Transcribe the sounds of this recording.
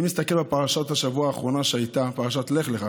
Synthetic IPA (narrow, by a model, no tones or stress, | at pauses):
imist̪ake̞lbepaʁaʃathaʃavuaːχʁo̞naʃeajt̪apaʁaʃat̪le̞χleχa